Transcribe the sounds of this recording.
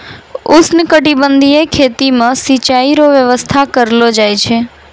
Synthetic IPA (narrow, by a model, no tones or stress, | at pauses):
usnəkəʈibənd̪ʱiekʰet̪imãsit͡ʃaiɾoʋjəʋəst̪ʰakəɾlod͡ʒajt͡ʃʰe